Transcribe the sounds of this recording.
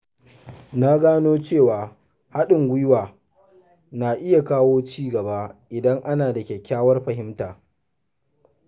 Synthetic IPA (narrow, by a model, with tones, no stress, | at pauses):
na˦ɡaː˦noː˦t͡ʃeː˦˨waː˨ | ha˦ɗɪ˨ŋɡʷʊ˦jwaː˨ | naː˨ʔɪ˦ja˨kaː˦woː˦t͡ʃiː˦ɡɐ˨ba˦ʔɪ˨dɐ˦ŋʔa˦naː˨dɐ˨kʲɛ˨kʲːaː˦wɐ˦rɸɐ˨ɦɪ˦mtaː˨